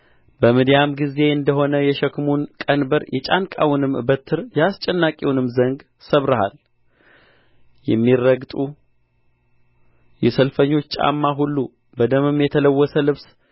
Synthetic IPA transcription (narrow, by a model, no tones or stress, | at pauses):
bəmɨd̪jamɡize̞ɨnd̪əɦo̞nəjɛʃəkmunkʼənbəɾjʔɛt͡ʃʼankʼa̰wnɨmɨbət̪ʰːɨɾjast͡ʃʼɛnːakʼiwnɨmːzəŋɡ | səβɾəha̰l | jɛ̰mːirːəɡt̪ʼu | jɛsəlfəɲːo̞t͡ʃːt͡ʃʼa̰mːaɦulːu | bəd̪əmɨmːjɛt̪ʰələwːɔsəlɨβs